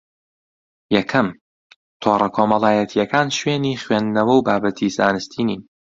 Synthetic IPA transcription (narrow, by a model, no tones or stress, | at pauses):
jɐkʰɐm | t̪ʰoːrˤɐkʰomɐlˠaːjɛt̪ʰijɛkʰaːnʃweːniːχwend̪nɐwɐwbaːbɐt̪ʰizaːnɨst̪ʰiːniːn